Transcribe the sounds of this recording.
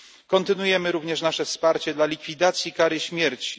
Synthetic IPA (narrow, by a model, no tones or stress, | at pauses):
kɔnt̪ɘnujɛmɘɾuvɲɛʂnaʂɛfspaɾt͡ɕɛd̪lalʲikfʲid̪at̪sʲjikaɾɘɕmʲjɛɾt͡ɕi̥